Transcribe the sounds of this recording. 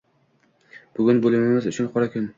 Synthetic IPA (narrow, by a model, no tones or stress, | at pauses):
b̥ʊɡʲʊnbolɪmɪmɪzʊt͡ʃʰʊnqʰɒɾakʲʰʊn